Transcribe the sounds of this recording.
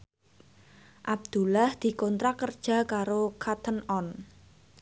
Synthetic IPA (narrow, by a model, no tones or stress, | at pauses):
ʔab̚d̪̥ṳlahd̪̥i̤kɔnt̪ɾakərd̥ʒ̥a̤kaɾokʰat̪ʰənɔn